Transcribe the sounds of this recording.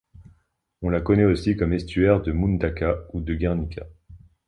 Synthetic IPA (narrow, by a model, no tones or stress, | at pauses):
ɔ̃lakɔnɛosikɔmɛst̪ɥɛʁd̪əmund̪akaud̪əɡʲɛʁnikʲʰa̰